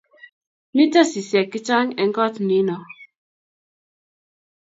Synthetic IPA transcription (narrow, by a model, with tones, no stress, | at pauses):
ni˦ta˦si˨sjɛ˨kːi˦t͡ʃa˦ŋɛ˨ŋ̩˦kɔ˦tni˨˦nɔ˨